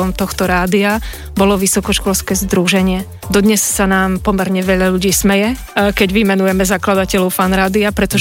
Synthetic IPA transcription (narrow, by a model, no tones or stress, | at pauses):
ɔmt̪ɔxt̪ɔɾaːd̪ia | bɔlɔʋisɔkɔʃkɔlskɛːzd̪ɾuʒɛɲɪɛ | d̪ɔd̪ɲɛsːanaːmpɔmɛɾɲɛʋɛʎaʎuɟiːsmɛjɛ | kɛɟʋimɛnujɛmɛzaklad̪acɛʎɔʊfanɾaːd̪iapɾɛt̪ɔ